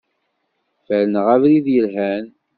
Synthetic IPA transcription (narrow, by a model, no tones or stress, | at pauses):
fælnəʁævɾiðjəlɦæn